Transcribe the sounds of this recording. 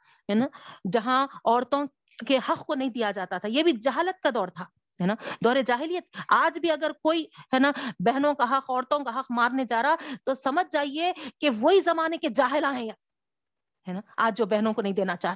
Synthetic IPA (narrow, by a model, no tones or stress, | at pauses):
ɦɛːnaːd͡ʒɐɦãɔːɾt̪õ | kehɐqʰkonɐɦĩd̪ijad͡ʒaːt̪at̪ʰajebʱid͡ʒɐɦaːlət̪̚kad̪ɔːɾt̪ʰaː | ɦɛːnad̪ɔːɾed͡ʒaːɦɪlijːət̪̚aːd͡ʒbʱiɐɡəɾkoːiɦɛːnabɛɦnõkaɦɐqɔːɾt̪õkaɦɐqmaːɾned͡ʒaːɾaat̪osɐməd͡ʒʱd͡ʒaːɦiekeʋoɦizɐmaːneked͡ʒaːɦɪlãɦɛ̃ja | ɦɛnaaːd͡ʒd͡ʒobɛɦnõkonɐɦĩd̪eːnat͡ʃaː